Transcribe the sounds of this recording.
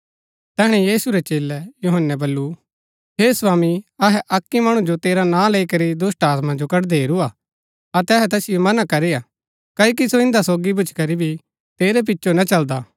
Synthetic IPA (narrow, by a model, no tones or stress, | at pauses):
t̪ɛːɽ̃ɛjiːsuɾɛt͡ʃeːlɛjuɦənːɛbɐlːu | ɦeːsaːmiɐɦɛʔɐkːimɐɽ̃ũd͡ʒot̪eːɾanãːleikɐɾid̪ʊsʈaːt̪mãd͡ʒokɐʈd̪eːɾuaː | ɐt̪ɛɦɛt̪ɛːsɪjomɐnakɐɾea | kɐːjk̬isoɪ̃nd̪asoːɡibʊt͡ʃkɐɾibʱi | t̪eːɾɛp̬ɪtːʃonat͡ʃɐld̪aː